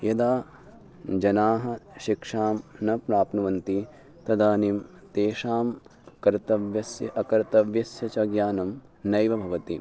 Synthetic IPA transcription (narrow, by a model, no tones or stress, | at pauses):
jɐd̪aː | d͡ʒɐnaːɦɐ̆ʃikʂaːmnɐpɾaːpnɐʋɐnt̪i | t̪ɐd̪aːniːm | t̪eːʃaːmkɐɾt̪ɐʋjɐsjɐɐkɐɾt̪ɐʋjɐsjɐt͡ʃɐɡjaːnɐm | nɐjʋɐbʱɐʋɐt̪i